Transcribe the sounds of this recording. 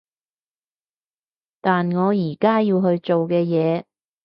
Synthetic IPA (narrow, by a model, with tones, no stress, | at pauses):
t̪aː˨nŋɔː˨˧jiː˨˩kaː˥jiː˧wɦɵ˧ɥt͡ʃo˨wkɛː˧jɛː˨˧